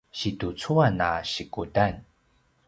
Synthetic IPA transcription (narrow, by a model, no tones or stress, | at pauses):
ɕitut͡suana̰ɕikutan